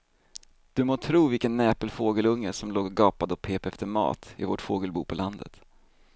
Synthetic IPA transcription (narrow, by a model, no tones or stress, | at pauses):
d̪̥ɵmoːt̪ʰɾuːvɪlkənːɛːpəlfoːɡəlɵŋːəʂɔmloːɡɡɑːpad̪ɔpʰeːpɛft̪əɾmɑ̰ːt̪ɪ̰voʈfoːɡəlbuːpʰɔland̪ə̰t̪